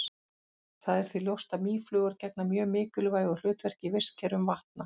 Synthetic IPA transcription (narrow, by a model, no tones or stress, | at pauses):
θaðɛɾ̥θviljowst̪aðmiːflʏːɣaɾcɛk̚namjœːmɪːcʏlvaːjɣɔl̥ʏːt̪vɛr̥cɪvɪr̥scʰɛɾʏmvaht̪̚na